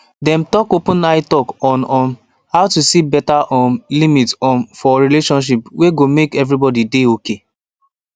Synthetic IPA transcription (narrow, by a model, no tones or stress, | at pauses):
dɛ̃mtɔkopũnaɪtɔkɔ̃nɔ̃n | haʊtusibɛtaʔɔ̃nlimitsɔ̃nfɔɹileʃɔ̃nʃ̬ipweɡomekɛvɹibɔdideoke